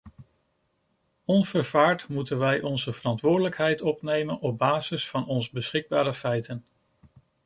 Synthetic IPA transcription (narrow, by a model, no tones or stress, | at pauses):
ɔnv̥əɹvaːɹtmutənʋɛjʔɔnzəvərɑntʋʊːɹdələkɦɛjtɔpnejmənɔb̚baːzɪsfɑnɔnzbəsχɪɡ̚baːɾəfɛjtən